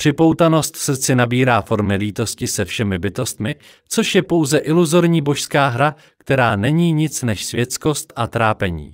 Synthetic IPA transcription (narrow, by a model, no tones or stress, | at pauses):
pr̥ɪpo̞wt̪ano̞st̪fs̩t͡sɪnabiːɾaːfo̞ɾmɪliːt̪o̞scɪsɛfʃɛmɪbɪt̪o̞st̪mɪ | t͡so̞ʃjɛpo̞wzɛʔɪluzo̞ɾɲiːbo̞ʃskaːɦɾa | kt̪ɛɾaːnɛɲiːɲɪt͡snɛʃsvjɛt͡sko̞st̪ʔat̪ɾaːpɛɲḭː